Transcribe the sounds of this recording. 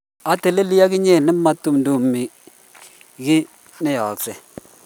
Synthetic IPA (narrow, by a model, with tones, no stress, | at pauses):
a˨te˨le˦li˦ja˦kɪ˦ɲe˦˨nɪ˦ma˦tu˦˨mndu˨mi˨ | ki˦ | nɛ˦jɔ˨ksɛ˨